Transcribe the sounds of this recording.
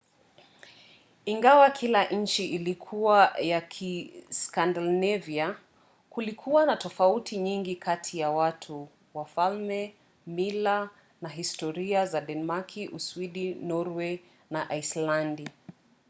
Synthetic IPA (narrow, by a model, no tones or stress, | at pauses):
iŋɡawakʰilaʔɲ̩t͡ʃiʔilikʰuwajakʰiskandɛlnɛvia | kulikʰuwanatɔfautʰiɲiŋɡikʰatʰijawatʰu | wafalmɛ | mila | naɦistɔɾiazaɗɛnmakʰiʔuswiɗinɔɾwɛ | naʔaislandi